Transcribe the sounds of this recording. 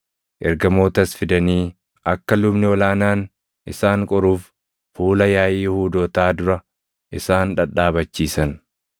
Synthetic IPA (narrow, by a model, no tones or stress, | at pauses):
ʔɛɾɡɐmo̞ːt̪ɐsfɪd̪ɐniː | ʔɐkːɐlʊbnɪɔlaːnaːn | ʔɪsaːŋkʼɔɾuːf | fuːlɐjaːjiːhuːd̪oːt̪aːd̪ʊɾɐ | ʔɪsaːnᶑɐᶑaːbɐt͡ʃːiːsɐn